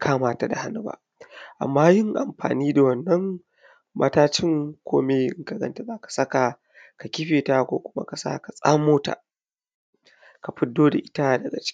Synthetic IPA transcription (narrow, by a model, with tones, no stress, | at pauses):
kʰaː˦maː˨ta˨da˨ha˦nu˦ba̰˦ʔ | ʔa̰˨mːaː˦jɪ˦ŋʔa̰˨mɸa̰ː˨niː˦da˨wɐ˨nːɐ˦ŋ | mɐ̰˦taː˦t͡ʃɪ˦ŋkʷʰoː˦meː˦ʔɪ̰˦ŋka˨ɡɐ̰˦nta˨ba˦kḁ˨sɐ˦ka˨ | ka˨kʲɪ˦ɸeː˨ta˦kʷo̰ː˦kʷʊ˦ma̰˦ka˨sa̰ː˦ka˨sʼa˦moː˦ta̰˨ | ka˨ɸɪ˦dːoː˦da˨ʔɪ˦ta˦˨dɐ˨ɡa̰˨t͡ʃʲ